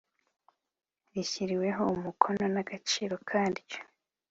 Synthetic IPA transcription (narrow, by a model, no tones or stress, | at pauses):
ɾiçiɾiwe̞ɦo̞umukʰo̞no̞naɡ̥at͡ʃiːɾo̞kʰaːndico̥